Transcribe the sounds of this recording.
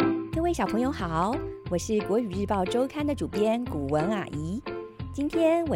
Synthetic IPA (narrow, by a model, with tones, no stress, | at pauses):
kɤ˥˧we˥˩ɪɕɑ˨˩pʰɤ˧˥ŋjo˧˥ʊxɑ˨˩ʊwɔ˨˩ʂɻ̩˥˩kwɔ˧˥y˨˩ɻ̩˥˧pɑ˥˩ʊʈ͡ʂo˥ʊkʰa˥nd̪ə˨ʈ͡ʂu˨˩pjɛ˥nku˨˩wə˧˥na̰˨˩ʔi˧˥t͡ɕi˥nt̪ʰjɛ˥nwɔ˨˩